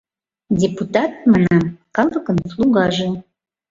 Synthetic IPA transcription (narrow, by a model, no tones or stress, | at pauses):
dʲeput̪ɑt̪̚mɑnɑkɑlˠəkənslˠuɣɑʒe